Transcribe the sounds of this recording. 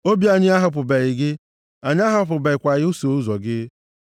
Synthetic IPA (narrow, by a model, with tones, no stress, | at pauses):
o˦bi˦a˨ɲɪ˦a˦ɦʊ˨p̬ʊ˨be˨ɪ˨ɡɪ˦ | a˨ɲɪ˦a˦ɦʊ˨˦p̬ʊ˨be˨ɪ˨kʷa˨ɣɪ˦ʊ˦so˨u˦zɔ˨ɡɪ˦